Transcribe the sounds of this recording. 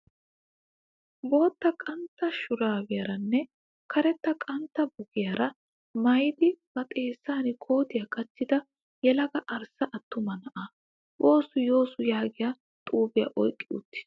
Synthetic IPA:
bo̞ːt̪ːɐkʼɐnt̪ːɐʃʊɾaːwɪjɐɾɐnːɛ | kɐɾɛt̪ːɐkʼɐnt̪ːɐbʊɡɪjɐɾɐ | mɐjd̪ɪb̥ɐt̪ʼe̞ːsːaːnɪkʰo̞ːt̪ɪjɐkɐt͡ʃːɪd̪ɐ | jɛlɐɡɐʔɐɾsɐʔɐt̪ːʊmɐnɐʔa | wo̞ːsʊjo̞ːsʊjaːɡɪja | t̪ʼuːbɪjɐ̰ʔɔjkʼːɪʊ̰t̪ːɪ̥

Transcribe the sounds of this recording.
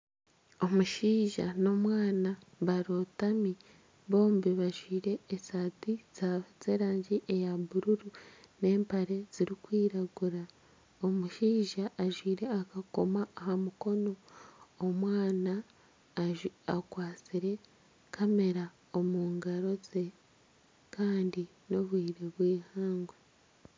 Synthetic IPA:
o̞muʃiːʒa̰no̞mwaːnaβaɾotami | βo̞ːmbiβaʒwiːɾe̞ːsatiz̥aβzeːɾaːɲɟiʔejaβuɾuɾune̞ːmpaɾe̞z̥iɾikwiːɾaɡuɾa | omuʃiːʒaʔːʒwiːɾe̞akako̞maːhamuko̞no̞ː | mwaːna | akwaːt͡siɾe̞ | kʰame̞ɾa | o̞muːŋɡaɾo̞ze̞ | kʰaːndi | no̞βwiːɾe̞βwiːhaːŋɡwe

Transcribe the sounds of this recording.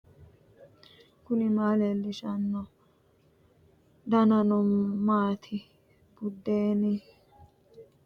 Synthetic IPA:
kʊnɪmaːlɛlːɪʃɐnːɔ | d̪ɐnɐnɔmːaːt̪ʰɪ | b̥ʊd̪ːeːni

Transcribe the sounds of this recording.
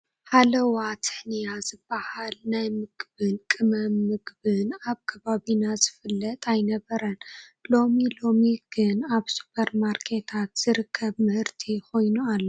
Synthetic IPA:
halɐwat̪ʰɨ̥ħnijazɨbːahalnajmɨɡbɨnkʼɨmɐmːɨɡbɨnaβkʰɐβaβinazɨfɨlːɐt̪ʼajnɐβɐɾɐnlo̞milo̞miɡ̥ɨnaβsu̥pʰɐɾmaɾkʰe̞t̪ʰat̪z̥ɨɾɨkʰːɐβmɨhɨɾt̪ʰiko̞jnualːo

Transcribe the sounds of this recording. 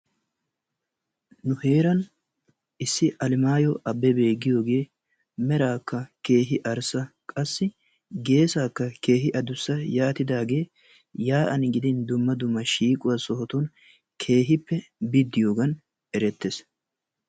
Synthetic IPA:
nʊhe̞ːɾɐn | ɪsːɪʔɐlɪmaːjɔʔɐbːɛbe̞ːɡːɪjo̞ːɡe̞ː | mɛɾaːkːɐke̞ːɦɪʔɐɾsɐkʼɐsːɪ | ɡe̞ːsaːkːɐke̞ːɦɪʔɐd̪ʊsːɐjaːt̪ɪd̪aːɡe̞ː | jaːʔɐnɡɪd̪ɪnd̪ʊmːɐd̪ʊmːɐʃiːkʼʊwɐsɔɦɔt̪ʊn | kʰe̞ːɦɪpːɛbɪd̪ːɪjoːɡɐn | ɛɾɛt̪ːes

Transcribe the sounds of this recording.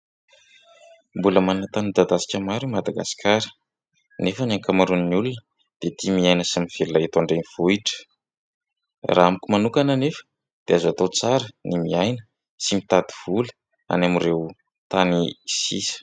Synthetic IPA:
mbuləmanat̪anid̪ad̪asi̥kʲəmaɾumad̪aɡasi̥kʰaɾə̥ | nefənaŋkamaɾunniulunə | d̪̥et̪imiajnəsamiv̥ellːait̪oaɳɖ͡ʐeniv̥uiʈ͡ʂə̥ | ra̰amikʲumanukanənefə̥ | d̪̥eazat̪ot͡saɾənimiajnə̥ | simit̪ad̪iv̥ulə̥ | a̰namirew | t̪anisisə̥

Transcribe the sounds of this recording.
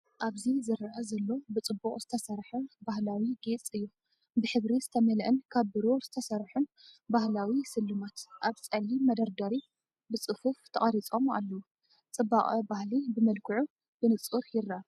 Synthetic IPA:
ʔaβzizɨɾaʔɐzɐlːo̞bɨt͡sʼɨbːukʼz̥ɨt̪ʰɐsɐɾħunbahlawiɡe̞t͡sʼɨjːu | bɨħɨβɾiz̥ɨt̪ʰɐmɐlʔɨnkʰaβbɨɾozɨt̪ʰɐsɐɾħunbahlawisɨlːɨmat̪ʔaβt͡sʼɐlimɐd̪ɐɾd̪ɐɾi | bɨt͡sʼɨfuft̪ʰɐχʼɐɾit͡sʼo̞ma̰lːɐwu | t͡sʼɨbːaχʼɐbahlibɨmɐlkʰɨʕu | bɨnɨt͡sʼuɾjɪrːa

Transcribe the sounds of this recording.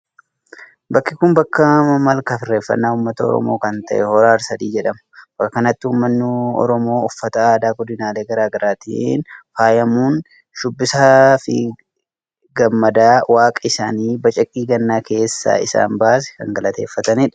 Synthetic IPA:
bɐkːɪkʊmbɐkːɐmɐmɐlkɐfɪrːe̞ːfːɐ̰nːaːʊmːɐt̪ɐɔ̰ɾɔ̰moːkɐnt̪ɐ̰ʔɛhɔɾaːɾsɐd̪iːd͡ʒɛᶑɐmɐ̥bɐkːɐkɐnɐt̪ːɪhuːmːɐnːɪɔ̰ɾɔmo̞ːɔfːɐt̪ɐaːd̪aːɡɔd̪ɪnaːle̞ːɡɐɾaːɡɐɾaːt̪ḭːnfaːjɐmuːn | ʃʊbːɪsafɪ̰ | ɡɐmːɐd̪aːwaːkʼɐɪsa̰ːniːbɐt͡ʃʼɐkʼːiːɡɐnːaːke̞ːsːa̰ːɪsa̰ːmbaːs̬ɛ̥kɐŋɡɐlɐt̪e̞ːfːɐt̪ɐnɪᶑɐ

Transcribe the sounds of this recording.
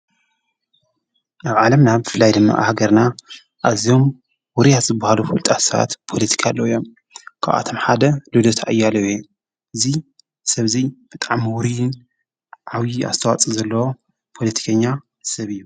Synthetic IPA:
ʔaβʕalɐmnabɨfɨlːajd̪ɨmːa̰ʔhaɡɐɾna | ʔazijo̞m | wʊɾijat̪zɨbːahalufult̪ʼasɐβa̰t̪pʰo̞lɐt̪ʰi̥kʰalːoɨjːo̞m | kʰa̰βʔa̰t̪ʰo̞mħad̪ɐlud̪ot̪ʰaʔɨjːalɐwe | ʔɨzi | sɐβzib̥ɨt̪ʼaʕmwʊɾijɨn | ʕaβjia̰zst̪ʰɐwat͡sʼizɐlːɐwo | pʰo̞lɐt̪ʰi̥kʰɐɲːa | sɐβɨjːu

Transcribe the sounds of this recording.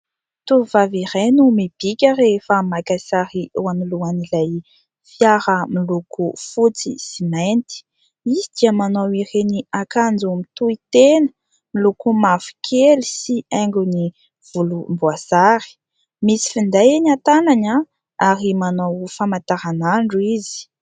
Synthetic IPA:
t̪uvavirejnumib̥ikʲaɾefəmakasaɾiuamiluanilaj | fjaɾəmilukufut͡sḭsiment̪i̥ | izid̪̥iəmanowireniakand͡zumit̪uit̪enə̥ | milukumafi̥kʰelisiaŋɡuni | v̥ulumbwazaɾi̥ | misi̥find̪ajenat̪anaɲa | aɾimanowfamant̪aɾanaɳɖ͡ʐuizi̥

